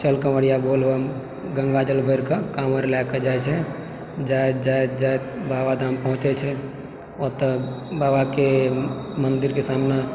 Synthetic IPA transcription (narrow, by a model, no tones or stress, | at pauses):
t͡ʃəlkəməɽijabolɦom | ɡə̃ŋɡad͡ʒəlbʱəɾkakaməɾlɛked͡ʒajt͡ʃʰɛ | d͡ʒaed͡ʒad͡ʒaet̪̚babad̪ʱãːmpəɦʊ̃t͡ʃɛt͡ʃʰɛ | ot̪ə | baːbake | mənd̪iɾkesamne